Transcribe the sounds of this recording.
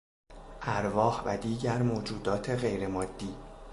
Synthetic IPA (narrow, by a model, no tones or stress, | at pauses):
ʔæɾvɒːhvæd̪iːɟæɾmoːd͡ʒuːd̪ɒːt̪ʰe̞ɣe̞jɾe̞mɒːd̪̥ːiː